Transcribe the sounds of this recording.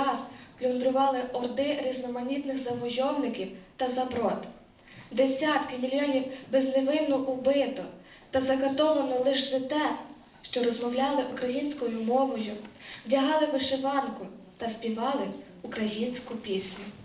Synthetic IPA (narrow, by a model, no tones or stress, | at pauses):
ɑsplʲɔnd̪ɾʊʋɑlˠɪʔɔrd̪ɪɾʲiznɔmɐnʲit̪nɪxzɐʋɔjɔwnɪkʲiwt̪ɐzɐbɾɔt̪ | d̪esʲat̪kɪmʲilʲjɔnʲiwbezneʋɪnʊʔʊbɪt̪ɔ | t̪ɐzɐɡɐt̪ɔʋɐnɔlˠɪʒzɪt̪ɛ | ʃt͡ʃɔɾɔzmɔwlʲɑlˠɪʔukɾɐjinʲsʲkɔjʊmɔʋɔjʊwdʲɐɦɑlˠɪʋɪʃeʋɑnkʊ | t̪ɐspʲiʋɑlˠɪ | ukɾɐjinʲsʲkʊpʲisʲnʲʊ